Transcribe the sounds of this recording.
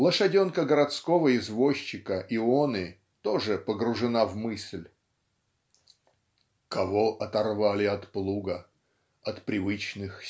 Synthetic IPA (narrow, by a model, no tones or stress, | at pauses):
lˠəʂɐdʲonkəɡəɾat̪skovəɪzvoɕːɪkəʔɪonɨ | t̪oʐɨpəɡɾʊʐɨnavmɨsʲlʲ | kɐvoʔɐt̪ɐrvalʲɪɐt̪plˠuɡə | ɐt̪pɾʲɪvɨt͡ɕnɨx